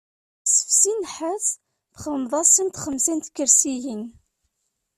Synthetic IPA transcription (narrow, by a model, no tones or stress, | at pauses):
sə̥fsinħæθ | θχələmðˤɑsˤːimt̪χəmsint̪kːəɾsijin